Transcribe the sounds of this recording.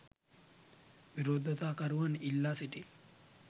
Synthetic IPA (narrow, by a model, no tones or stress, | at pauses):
ʋiɾoːd̪ɐt̪aːkɐɾuʋɐnilːaːsiʈi